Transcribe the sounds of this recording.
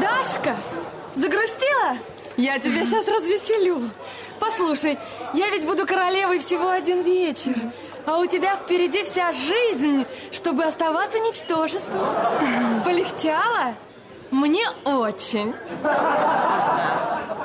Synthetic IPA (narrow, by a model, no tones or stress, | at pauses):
d̪aʂkə | zəɡɾʊsʲtʲilˠə | jatʲɪbʲeɕ̬asrəzvʲɪsʲɪlʲu | pɐslˠuʂəj | javʲɪtʲbud̪ʊkəɾɐlʲe̞vəjfsʲɪvo̞ɐdʲinvʲet͡ɕɪr | ɐʊtʲɪbʲafpʲɪɾʲɪdʲifsʲaʐɨzʲnʲʂt̪o̞bɨɐst̪ɐvat̪sənʲɪt͡ɕt̪o̞ʐɨst̪və | pəlʲɪxt͡ɕʲalˠə | mnʲe̞ot͡ɕːɪnʲ | a